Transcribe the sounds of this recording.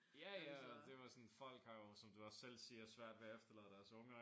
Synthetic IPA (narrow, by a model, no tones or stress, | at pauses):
jæjæd̥e̝ʋɑ̈sɒnfɒ̽l̰ɡ̥hɑ̈josɒ̽md̥uɒ̽sːel̰siːɐɒsʋæɐ̰d̥ʋeɐefd̥ɐlɛ̰ðˠd̥æɐsɔ̽ŋɐ